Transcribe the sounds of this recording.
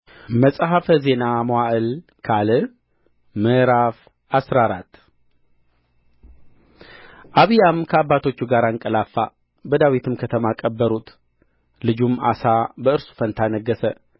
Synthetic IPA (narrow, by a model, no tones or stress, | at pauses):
məsʼɦafəze̞namowaʔɨlkʰalɨ | mɨɾaf | asɾaɾat̪ː | ʔaβijamkʰəabːat̪ʰo̞t͡ʃːuɡaɾaŋkʼəlafːa̰ | bəd̪awit̪ʰɨmkʰət̪ʰəmakʼəbːəɾut̪ | lɨd͡ʒuma̰sabəɨɾsu̥fənt̪ʰanəɡːəsə